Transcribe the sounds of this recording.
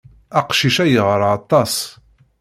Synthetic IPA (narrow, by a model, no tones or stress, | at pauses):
æqʃiʃæjəʁəɾˤɑt̪ˤːɑs